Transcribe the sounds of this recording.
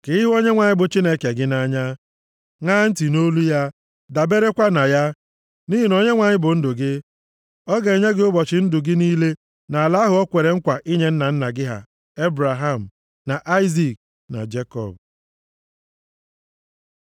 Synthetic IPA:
kɪ˨ɪ˦ɦo˦ɲe˦ŋʷa˨ɲɪ˦bʊ˨t͡ʃi˦ne˦ke˨ɡɪ˦na˦ɲa˦ | ŋa˦n̩˦ti˨no˦lu˦ja˦ | da˨be˦ɾe˦kʷa˦na˨ja˦ | ni˦ɦi˨nɔ˨ɲe˦ŋʷa˨ɲɪ˦bʊ˨n̩˦dʊ˨ɡɪ˦ | ɔ˦ɡe˨e˨ɲe˦ɡɪ˦ʊ˦bɔ˨t͡ʃɪ˨n̩˦dʊ˨ɡɪ˦niː˦le˦ | na˨la˦ɦʊ˨ɔ˦kʷe˨ɾe˨ŋ̩˦kʷa˨ʔi˦ɲe˨˦n̩˦na˨n̩˦na˨ɡɪ˦ɦa̰˨ | e˦bɾa˨ɦa˦m̩˨ | na˨ʔa˦ɪ˦zi˨k̚ | na̰˨d͡ʒe˦kɔ̰˦˨b̚

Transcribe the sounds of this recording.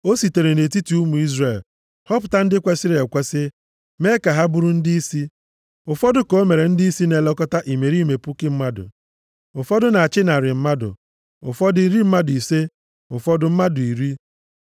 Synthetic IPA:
o˦si˨te˨ɾe˨ne˨ti˦ti˨u˦mu˨i˦zre˨l | hɔ˦pʊ̥˨ta˦n̩˦dɪ˦kʷe˦sɪ˦ɾe˨kʷe˦sɪ˦ | me˦ka˨ɦa˦bʊ˦ɾʊ˦n̩˦dɪ˦i˦si˦ | ʊ˨fɔ˦dʊ˦ko˦me˨ɾe˨n̩˦dɪ˦i˦si˦ne˨lɔ˦kɔ˦ta˦ʔi˨me˨ɾi˦me˨pʊ˦kɪ˦m̩˦ma˦dʊ̰˨ | ʊ˨fɔ˦dʊ˦na˨a˨t͡ʃɪ˦na˨ɾɪ˨m̩˦ma˦dʊ̰˨ | ʊ̰˨fɔ˦dʊ˨i˨ɾi˦m̩˦ma˦dʊ˨i˨se˦ | ʊ˨fɔ˦dʊ˨m̩˦ma˦dʊ˨i˨ɾi˦

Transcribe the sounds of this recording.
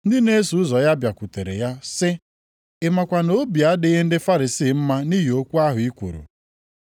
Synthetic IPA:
n̩˦dɪ˦ne˦su˨˦ʊ˦zɔ˨ja˦bja˨kʷu˨te˨ɾḛ˨ja˦sɪ˦ | ɪ˨ma˨kʷa˨no˦bi˨a˦dɪ˦ɦe˦n̩˦dɪ˦fa˦ɾi˨siː˦˨m̩˦ma˦ni˦ɦe˨o˦kʷu˦a˦ɦʊ˨i˦kʷo̰˨ɾṵ˨

